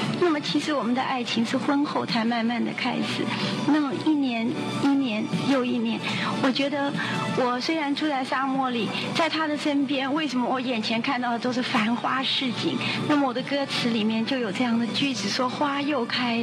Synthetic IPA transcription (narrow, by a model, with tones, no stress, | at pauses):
na˥˩mə˩t͡ɕʰi˧˥ʂɻ̩˧˥wɔ˨˩mə˦nd̪ə̰˧ʔa˥˩ɪt͡ɕʰi˧˥ŋʂɻ̩˥˩xwə˥nxo˥˧ʊt͡sʰa˥˧ɪma˥˧nma˥˩nd̪ə̰˩kʰa˥ɪʂɻ̩˨˩˦na˥˩mə˩i˥˩njɛ˧˥n | i˥˩njɛ˧˥njo˥˩ʊi˥˩njɛ˧˥nwɔ˨˩t͡ɕɥɛ˧˥d̪ə˧ | wɔ˨˩swe˥ɪɻa˧˥nʈ͡ʂʰu˥t͡sa˥˩ɪsa˥mwɔ˥˩li˨˩˦ | t͡sa˥˩ɪt̪ʰa˥d̪ə˨ʂə˥npjɛ˥nwe˥˩ɪʂə˧˥mə˧wɔ˧˥jɛ˨˩nt͡ɕʰjɛ˧˥nkʰa˥˧nt̪ɑ˥˩ʊd̪ə˩o˥ʊʂɻ̩˥˩fa˧˥nxwa˥ʂɻ̩˥˧t͡ɕḭ˥˩ŋna˥˩mə˨˩wɔ˨˩d̪ə˦kɤ˥t͡sʰɹ̩˧˥li˨˩mjɛ˥˧nt͡ɕjo˥˩ʊjo˨˩ʊʈ͡ʂɤ˥˧jɑ˥˩ŋd̪ə˩t͡ɕy˥˩ʈ͡ʂɻ̩˨˩ʂwɔ˥xwa˥jo˥˩ʊkʰa˥ɪ